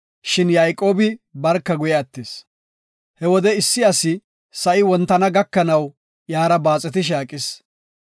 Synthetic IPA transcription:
ʃɪnjɐjkʼo̞ːbɪbɐɾkːɐɡʊjɛɐt̪ːes | hɛwɔd̪ɛɪsːɪɐsɪ | sɐʔɪwɔnt̪ːɐnɐɡɐkːɐnɐw | jaːɾɐbaːt͡sʼːɛt̪ɪʃ̬aːkʼɪs

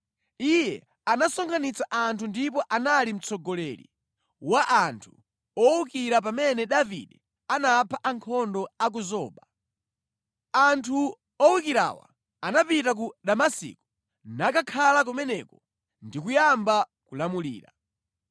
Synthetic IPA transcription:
ijɛ | anasɔŋkʰanit͡saʔantʰundipɔʔanalim̩t͡sɔɡɔlɛɾḭ | waʔantʰu̥ | ɔwukiɾap̬amɛnɛɗavḭɗɛ | anapʰaʔaŋkʰɔndɔak̬uzɔːɓa | antʰu | ɔwukiɾa̰ːwa̰ | anapitak̬uɗamasḭku̥ | nakakʰalak̬umɛnɛkɔ | ndikujambakulamulḭːɾa

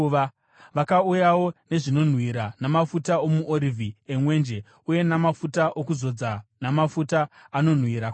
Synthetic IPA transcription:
ʋakaujawo̞ne̞ʐino̞n̤wiɾanamafutaomuʔoɾivʱiemwe̞ːnd͡ʒe̞ | uje̞namafutaʔokuzo̞d͡zanamafutaano̞n̤wiɾak

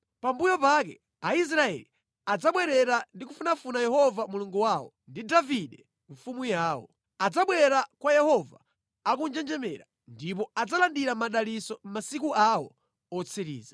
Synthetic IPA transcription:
pambujɔpak̬ɛ̰ | ais̬ɾaɛ̰li | ad͡zaɓwɛɾɛɾandikufunafunajɛhɔvamuluŋɡuwawɔ̰ | ndidaviɗɛ | ɱfumujaːwɔ̰ | ad͡zaɓwɛɾakwajɛhɔvaː | kund͡ʒɛnd͡ʒɛmɛ̰ɾa | ndip̬ɔad͡zalandiɾamaɗalisɔm̩masikuawɔ̰ | ɔt͡sʰiɾḭːzḁ

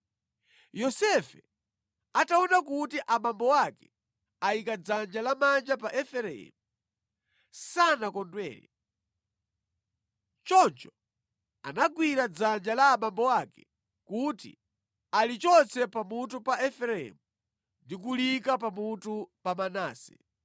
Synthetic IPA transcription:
jɔsɛfɛ̰ | ataɔnakutiʔamambɔwakɛ | aikad͡zand͡ʒalamand͡ʒapaʔɛfɛɾɛɛ̰mu | sanakɔndwɛ̰ːɾḭ | t͡ʃɔnt͡ʃɔ | a̰naɡwiɾad͡zand͡ʒalaːmambɔwakɛ̥ | kutḭ | alit͡ʃɔnt͡sɛpamutupaɛfɛɾɛɛ̰mu | ndik̬ulikapamutupamanaːsɛ̰

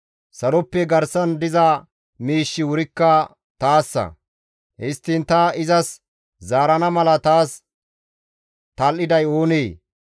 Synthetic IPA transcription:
sɐɾɔpːɛɡɐɾsɐnd̪ɪzɐ | miːʃːɪwʊɾɪkːɐ | t̪aːsːɐ̰ | hɪst̪ːɪnt̪ɐɪzɐs | zaːɾɐnɐmɐlɐt̪aːs | t̪ɐlːɪd̪ɐjo̞ːneː

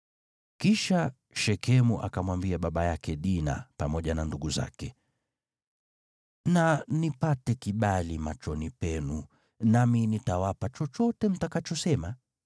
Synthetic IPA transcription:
kiʃa | ʃɛkʰɛmuʔakamwambiaɓaɓajakɛɗina̰pamɔʄananduɡuza̰kɛ | nanipatɛkiɓalimat͡ʃɔnipɛnu | naminitawapat͡ʃɔt͡ʃɔtɛm̩takat͡ʃɔsɛma

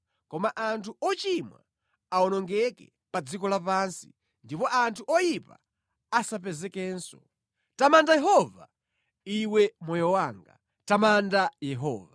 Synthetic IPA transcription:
kɔmaʔantʰuɔt͡ʃimwa̰ | aɔnɔŋɡɛkɛ | pad͡zikɔlapaːnsi̥̰ | ndipɔʔantʰuʔɔjipa̰ | asapɛzɛkɛːnsɔ | tamandajɛɦɔva | iwɛmɔjɔwaːŋɡa̰ | tamandajɛɦɔ̰ːva

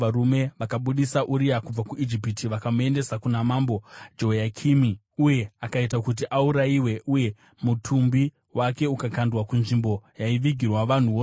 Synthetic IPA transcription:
ʋaɾume̞ʋakaɓuɗisaʔuɾiakub͡vakuʔid͡ʒipitiʋakamue̞nde̞sakunamaːmbo̞d͡ʒo̞jakʰimi | uje̞akaitakut̬iʔauɾaiwe̞ʔuje̞ | mutʰumbi | wake̞ukakandwakunʐimbo̞jaiʋiɡʱirwaʋan̤uo

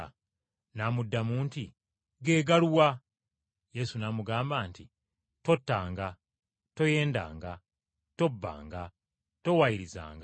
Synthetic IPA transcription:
naːmudːamuːnti | ɡeːɡaluwa | je̞sunaːmuɡaːmbaːnti | to̞tːaːŋɡa | to̞je̞ːnda̰ːŋɡa | to̞bːa̰ːŋɡa | to̞wajiɾiza̰ːŋɡa

